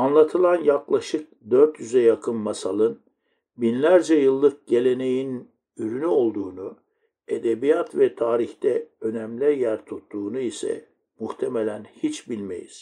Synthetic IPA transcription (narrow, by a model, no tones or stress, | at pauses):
anlˠat̪ʰɯlˠanjaklˠaʃɯk̚d̪øɾt̪jyzɛjakʰɯnmasalˠɯn | binlʲæɾd͡ʒɛjɯlˠːɯk̚ɟ̥e̞lʲe̞ne̞jin | yɾynyo̞lˠd̪uːnu | e̞d̪ebijat̪vɛt̪ʰaːɾiçt̪ɛø̞næmlʲɛjæɾt̪ʰut̪ːuːnuisɛ̰ | muht̪ʰemelʲænhit͡ʃbilʲmḛjḭz̥